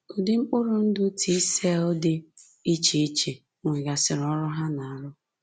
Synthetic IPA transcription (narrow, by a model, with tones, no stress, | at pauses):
ʊ˨dɪ˦ŋ͡m̩˦k͡pʊ˦ɾʊ˨n̩˦dʊ˦tʰi˦se˦ɔ˦dɪ˦ | i˦t͡ʃe˦i˦t͡ʃe˨ | ŋʷe˨ɡa˨sɪ˨ɾɔ˦ɾʊ˦ɦa˦na˨a˨ɾʊ˦